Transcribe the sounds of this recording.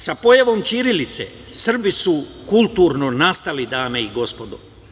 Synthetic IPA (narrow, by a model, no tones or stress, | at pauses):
sapo̞jaʋo̞mt͡ʃiɾilit̪sḛ | sr̩bisu | kulˠt̪uɾnonast̪alid̪aːme̞iɡo̞spo̞d̪o̰